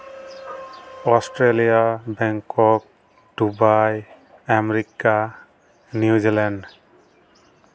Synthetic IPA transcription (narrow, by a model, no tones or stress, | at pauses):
ɔstɾelijabɛŋkɔk̚ | dubaj | ameɾika | njiuzilɛnɖ